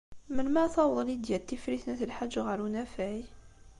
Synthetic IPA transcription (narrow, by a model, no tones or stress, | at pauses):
mənmæθˤɑwəðˤlid̪jælt̪ːifɾiθnæθəlħad͡ʒːɣəɾnæfæʕi